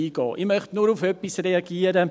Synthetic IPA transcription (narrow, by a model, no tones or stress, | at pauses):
iɡɑːʔimœχtnuɾufœpisreɑɡiəɾə